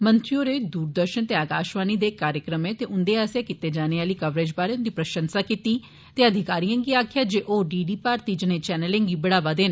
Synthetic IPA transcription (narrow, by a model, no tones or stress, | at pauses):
mənt̪ɾioːɾeːd̪uːɾd̪əɾʃənt̪eːaːkaːʃʋaːniːd̪eːkaːɾjəkɾəmẽːt̪eːʔʊnd̪eːaːsjaːkɪt̪eːd͡ʒaːneːaːliːkəʋɾed͡ʒbaːɾeːʊnd̪iːpɾəʃə̃nsaːkit̪iː | t̪eːəd̪ʱɪkaːɾijãːŋɡiːaːkʰjaːd͡ʒeːʔoːɖiːɖiːpaːɾt̪iːd͡ʒɪneːt͡ʃɛːnəlẽŋɡiːbəɽaːʋaːd̪eːn